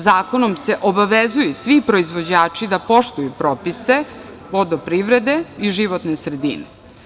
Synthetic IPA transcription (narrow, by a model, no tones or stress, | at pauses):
zaːko̞nomse̞ʔobaʋezujusʋipɾo̞izʋo̞d͡ʑaːt͡ʃid̪apo̞ʃt̪ujupɾoːpise̞ | ʋo̞d̪opɾiːʋɾed̪e̞iʒiʋot̪nesɾed̪ḭne